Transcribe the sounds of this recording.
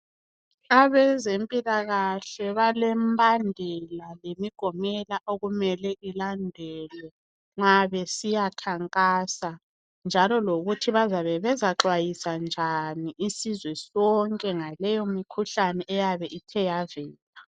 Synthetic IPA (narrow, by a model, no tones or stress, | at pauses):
aβɛzempʼilaɣaɬɛβalɛmbʱandʱɛlalemiɡ̥ʱɔmɛlaʔoɣumɛlɛilandʱɛːlɛ | ŋ͡ǁaβɛsijakʰaŋkʼaːsa | nd͡ʒʱalɔloɣutʰiβazaβɛβɛzaǁwajisand͡ʒʱaniʔisizwɛsɔŋkʼɛŋalɛjomikʰuɬanɛʔɛjaβɛʔitʰɛjavɛːla